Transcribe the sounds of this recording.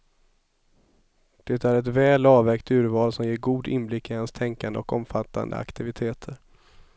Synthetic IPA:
d̪̥ɛt̪æɾɛt̪vɛːlɑːvɛɾkt̪ʉ̟ːɾvɑːlsɔmjeːɾɡuːd̪ɪnblɪkːɪhanst̪ʰɛŋkand̪əɔkɔmfat̪ʰːa̰nd̪ə̰a̰kt̪ɪvɪt̪ʰeːt̪ʰəɾ

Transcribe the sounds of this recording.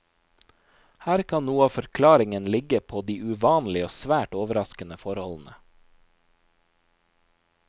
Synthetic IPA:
hæːɾkʰɑnnuːəɑːfɔɾkʰlɑːɾɪŋənlɪɡəpʰoːd̪iːʔʉʋɑːnlɪoːsʋæːʈoːʋəɾɑskənəfɔɾhɔln̩ə

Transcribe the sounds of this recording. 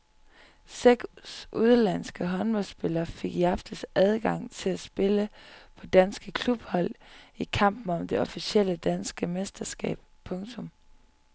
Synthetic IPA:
seɡ̥sʔuð̞ˠlæn̰sɡ̥əɦɒ̽nb̥ɒ̽lsb̥e̝lɐːfe̝ɡ̥jɑ̈fd̥əsæð̞ˠɡ̥ɑ̈ŋ̰t͡sʰe̝læsb̥e̝ləpʰɒ̽d̥ænsɡ̥əkʰlub̥hɒ̽l̰ikʰɑ̈m̰b̥n̩ɒ̽md̥e̝ɒ̽fisiel̰əd̥ænsɡ̥əmesd̥ɐsɡ̥ɛ̰ːb̥̚pʰɔ̽ŋt͡sʰɔ̽m

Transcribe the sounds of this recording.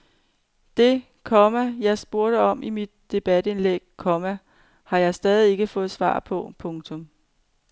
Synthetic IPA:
d̥e̝ | kʰɒmæjɑ̈ɪsb̥o̝ɐɾ̥əɒ̽mʔimid̥̚ːe̝b̥æd̥e̝nleɡ̥̚kʰɒ̽mæ | hɑ̈jɑ̈ɪsd̥ɛːðˠie̝ɡ̥əfɔ̽ːð̩ˠsʋɑ̰̈ːpʰɒ̽pʰɔ̽ŋt͡sʰɔ̽m

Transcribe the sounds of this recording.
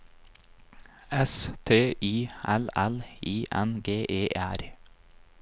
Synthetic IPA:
ɛst̪ʰeːʔiːʔælæliːʔænɡeːʔeːʔæɾ

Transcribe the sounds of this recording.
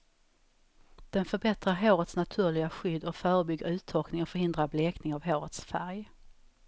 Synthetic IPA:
d̪̥ɛnfœɾbɛt̪ɾaɾɦoːɾət̪snat̪ʰʉ̟ːɭɪɡaɧʏd̪ːɔkfœːɾəbʏɡːəɾʉ̟ːt̪ʰːɔlknɪŋɔfœɾhɪnd̪ɾableːknɪŋavɦoːɾət̪sfæɾj

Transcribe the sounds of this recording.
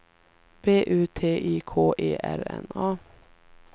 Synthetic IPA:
b̥eːʔʉːt̪ʰeːʔiːkʰoːʔeːʔæɾɛnɑː

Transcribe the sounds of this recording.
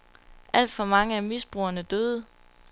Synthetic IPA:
ʔæl̰d̥fɒ̽mɑ̈ŋəæmisb̥ʁuːɐnəd̥øːðˠə

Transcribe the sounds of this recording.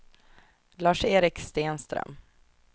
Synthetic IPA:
lɑːʂeːɾɪkst̪eːnst̪ɾœ̰m

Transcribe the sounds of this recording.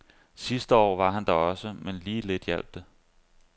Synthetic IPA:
sisd̥əɒ̰ːʋɑ̈ɦænd̥ɑɒ̽səmenliːle̝d̥jel̰b̥̚d̥ə

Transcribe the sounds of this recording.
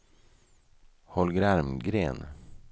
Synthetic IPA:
hɔlɡɾæɾmɡɾḛːn

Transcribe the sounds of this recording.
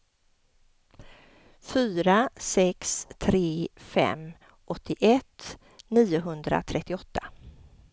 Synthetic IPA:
fyːɾasɛkst̪ʰɾeːfɛ̰m | ʔɔt̪ʰːɪʔɛt̪ː | niːʊɦɵnd̪ɾa̰t̪ʰɾɛt̪ːɪɔt̪ʰːḁ

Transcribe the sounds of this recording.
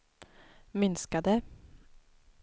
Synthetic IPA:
mʏnskad̪ə

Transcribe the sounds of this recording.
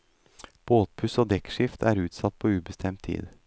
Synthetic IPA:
b̥oːt̪̚pʰʉsoːd̪ɛkʂɪft̪ʰæːɾʉːt̪sɑt̪̚ːpʰoːʉːbəst̪ʰɛmt̪ʰːḭːd̪

